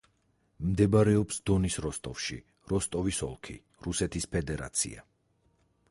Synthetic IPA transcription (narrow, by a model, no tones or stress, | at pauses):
md̪ɛbaɾɛɔpsd̪̥ɔnisɾɔst̪ʼɔfʃi | ɾɔst̪ʼɔvisɔ̰lˠkʰḭ | ɾusɛt̪ʰispʰɛd̪ɛɾa̰t̪sʰḭa̰